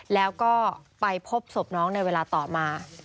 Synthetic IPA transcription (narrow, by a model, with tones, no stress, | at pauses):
lɛː˦˥wkɔː˥˩pa˧jpʰo˦˥p̚so˨˩p̚nɔː˦˥ŋna˧jweː˧laː˧t̪ɔː˨˩maː˧